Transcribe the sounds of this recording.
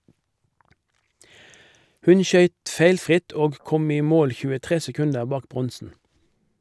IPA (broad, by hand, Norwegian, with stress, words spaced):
ˈhʉn ˈʃœʏt ˈfeɪlfʁɪt ˈoːɡ ˈkɔm ˈiː ˈmoːl çʉːəˈtʁeː sɛˈkʉndəʁ ˈbɑːk ˈbʁɔnsn̩